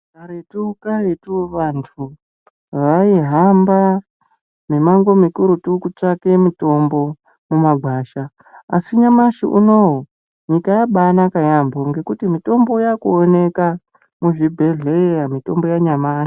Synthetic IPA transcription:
kaɾetukaretuʋantʰu | ʋaiɦamba | memaŋɡwo̞mikuɾutukut͡ʂake̞mito̞mbo̞ | mumaɡʱwaːʃa | a̰siɲamaʃiʔṵno̞ɦo | ɲikajaɓanakajamboŋɡe̞kutimito̞mbo̞jakuone̞ka | muʐibʱe̞ɮeɾamito̞mbo̞jaɲamaːʃi̥

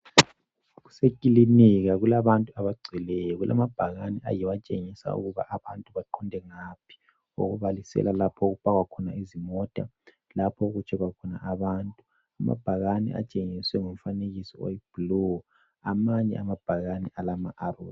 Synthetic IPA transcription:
ɣu̥sekʼilimiɣaɣulaβantʼuaβaɡ͡ǀʱilɛjɔɣulʔa̰mab̥ʱaɣanɛʔajiwat͡ʃʼeŋisa̰ṵɣuβa̰ʔaβantʼuβaǃʰɔndʱɛŋapʰi̥ | o̰ɣuβalisɛ̰lalapʰɔɣupʼaɣwakʰɔnaizimɔtʼa̰ | lapʰɔɣut͡ʃʰɛɣwakʰɔna̰ʔaβantʼu | ama̰b̥ʱaɣanɛ̰ʔa̰t͡ʃʼeŋiswɛŋom̩faneɣisɔ̰o̰jib̥lɔ | amaɲɛ̰amab̥ʱaɣanɛʔalamaʔarṵː

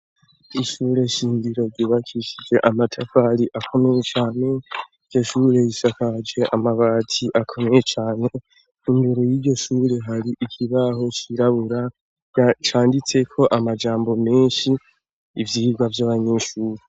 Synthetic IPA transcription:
iʃuːɾe̞ʃiːndiɾo̞ɾɟiːβakʰiʃid͡ʒe̞ʔamatʰafaɾiʔakʰomejet͡ʃaːne̞iɟo̞ʃuːɾe̞jiʃakad͡ʒe̞ʔamaβaːtʰiʔakʰo̞mejet͡ʃaːne̞ | induɾojiɟo̞ʃuːɾe̞ɦaɾiʔikʰiβaɦo̞t͡ʃiɾaβuɾa | t͡ʃaːndit͡se̞kʰo̞ʔamad͡ʒaːmbo̞meːnʃiː | vjiiɡɡwavjaβaɲe̞ʃuːɾe

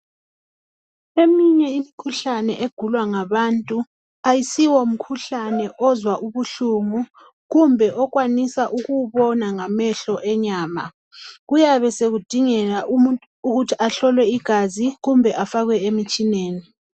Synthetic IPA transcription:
emiɲɛimikʰuɬanɛʔeɡ̥ʱulwaŋaβantʼu | ajisiwom̩kʰuɬanɛʔɔzwaʔuβuɬuŋu | ɣumbʱɛʔɔɣwanisaʔuɣuβɔnaŋamɛɬɔʔɛɲaːma̰ | ɣujaβɛseɣud̥ʱiŋɛla | uɣutʰiʔaɬɔlwɛiɡ̥ʱaziɣumbʱɛʔafaɣwɛemit͡ʃʼineːni

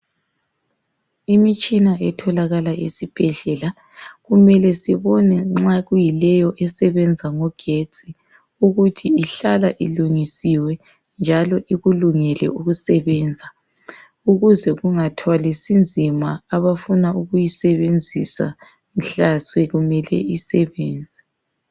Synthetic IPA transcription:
imit͡ʃʼinaʔɛtʰɔlaɣalaʔisib̥ʱɛɮɛla | ɣumɛlɛsiβɔnɛŋ͡ǁaɣujilɛjɔʔɛsɛβɛnd͡zʱaŋɔɡ̥ʱet͡sʼi | uɣutʰiiɬalaʔiluŋisiwɛ | nd͡ʒʱalɔʔiɣuluŋɛlɛ̰uɣusɛβɛːnd͡zʱa | uɣuzɛɣuŋatʰwalisind͡zʱimaːβafunauɣujisɛβend͡zʱisa̰ | m̩ɬaswɛɣumɛlɛ̰isɛβɛːnd͡zʱɛ̥

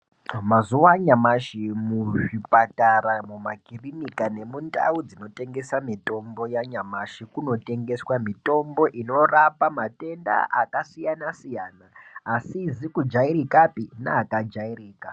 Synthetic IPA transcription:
mazuwaɲamaʃimuʐipataɾamumakirinikane̞munda̰ud͡zino̞te̞ŋɡe̞samito̞mbo̞jaɲamaʃikuno̞te̞ŋɡe̞swamito̞mbo̞ʔino̞rapamate̞nda̰ʔakasijanasijaːnaːsizikud͡ʒaiɾikapina̰ːkad͡ʒairiːka

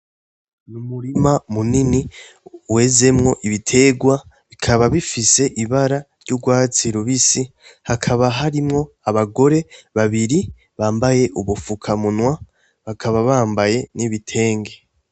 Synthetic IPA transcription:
numuɾimamuniniwe̞ze̞mŋo̞ʔiβitʰe̞ɡwa | βikʰaβaβifise̞ʔiβaɾaɾɟuɡwaːt͡siɾuβisihakʰaβaɦaɾimŋo̞ | aβaɡo̞ɾe̞βaβiɾi | βaːmbaje̞ʔuβufukʰamunwa | βakʰaβaβaːmbaje̞niβitʰe̞ːŋɡe̞

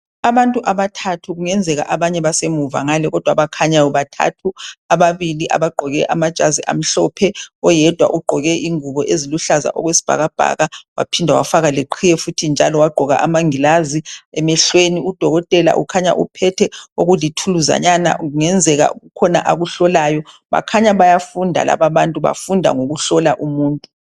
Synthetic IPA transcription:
aβantʼuʔaβatʰatʰuɣuŋɛnd͡zʱɛɣa̰ʔaβaɲɛβasemuva̰ŋalɛɣɔd̥ʱwaβakʰaɲajɔβatʰa̰tʰuaβaβiliʔa̰βaɡ͡ǃʱɔɣɛʔamad̥ʒ̥ʱaziʔa̰m̩ɬɔpʰɛɔjɛd̥ʱwa̰ʔuɡ͡ǃʱɔɣɛʔiŋuβɔʔeziluɬaza̰ʔɔɣwesi̥b̥ʱa̰ɣab̥ʱa̰ɣawa̰pʰindʱawa̰faɣaleǃʰijɛfutʰind͡ʒʱalɔwaɡ͡ǃʱɔɣa̰ʔamaŋilaziɛmɛɬweniud̥ʱɔɣɔtʼɛla̰ʔṵkʰaɲa̰ʔṵpʰɛtʰɛoɣulitʰuluza̰ɲana̰ʔuŋɛnd͡zʱɛɣa̰ṵɣukʰɔnaʔaɣuɬɔlaːjɔ | βa̰kʰaɲaβajafundʱa̰la̰βaβantʼuβa̰fundʱa̰ŋoɣuɬɔlaʔumuːntʼu

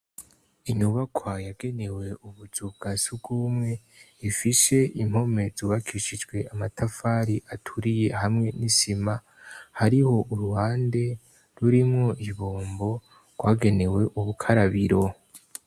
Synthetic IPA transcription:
iɲuβakʰwajaɡe̞ne̞we̞uβuz̥ub̚ɡ̥asub̚ɡuːmŋe̞ | ifise̞ʔim̥o̞me̞zuβakʰiʃid͡ʒɡwe̞ʔamatʰafaːɾiʔatʰuɾije̞hamŋe̞nisima | haɾiho̞ʔuɾuhaːnde̞ | ɾuɾimŋo̞ʔiβoːmbo̞ | ɡ̥waːɡe̞ne̞we̞ʔuβukʰaɾaβiɾo̞

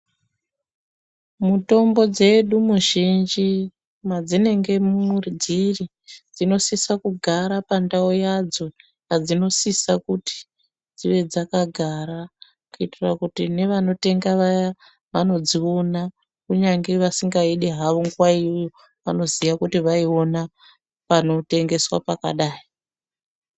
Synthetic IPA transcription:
muto̞mbo̞d͡ze̞ɗumuʒind͡ʒi | mad͡zine̞ŋɡe̞murd͡ziri | d͡zino̞sisakuɡʱaɾapandaojad͡zo̞ | kad͡zino̞sisakuti̥ | d͡ziʋe̞d͡zakaɡʱaɾa | kuitira̰kutine̞ʋano̞te̞ŋɡaʋaja | ʋano̞d͡zio̞na | kuɲaŋɡe̞ʋasiŋɡaiɗe̞ɦaʋoŋɡwaiujo | ʋa̰no̞zijakutiʋaio̞na | pano̞te̞ŋɡe̞swa̰paka̰ɗaːi

